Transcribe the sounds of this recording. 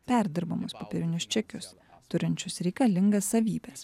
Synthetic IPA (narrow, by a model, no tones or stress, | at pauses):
pʲæɾʲd̪ʲɪɾbɐmʊspɔpʲɛɾʲɪnʲʊst͡ʃʲɛkʲʊs | t̪ʊɾʲɪnʲt͡ʃʲʊsɾʲɛɪkɐlʲɪŋɡɐsːɐʋʲiːbʲɛs